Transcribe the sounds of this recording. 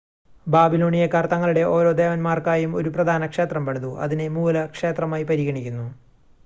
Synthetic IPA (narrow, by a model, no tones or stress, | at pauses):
baːbilo̞ːɳijekɐrt̪ɐŋːɐɭuɽe̞ʔo̞ːɾo̞ːd̪e̞ːʋɐnmaːrkaːjumo̞̰ɾuprɐd̪ʱaːnɐkʂe̞ːt̪rɐmpɐɳɐðuʔɐ̰ðinemuːlɐkʂe̞ːt̪rɐmaːjipɐɾiɣɐɳikʲːunːu